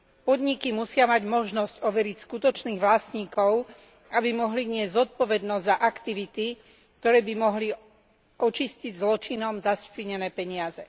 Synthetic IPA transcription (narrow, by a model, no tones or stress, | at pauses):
pɔd̪ɲikimusɪamaɟmɔʒnɔscɔʋɛɾicskut̪ɔt͡ʃniːɣʋlast̪ɲiːkɔʊ | abimɔɦliɲɪɛzzɔt̪̚pɔʋɛd̪nɔzzaʔakt̪iʋit̪i | k̚t̪ɔɾɛːbimɔɦli | ʔɔt͡ʃisciɟzlɔt͡ʃinɔmzaspiɲɛnɛːpɛɲɪazɛ